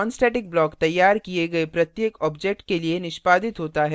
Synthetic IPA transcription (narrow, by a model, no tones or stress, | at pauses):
ɔːnsʈɛːʈɪk̚blɔːkt̪ɐjːaːɾkieɡɐepɾɐt̪jeːkɔːbd͡ʒek̚ʈkelienɪʃpaːd̪ɪt̪ɦoːt̪aɦɛ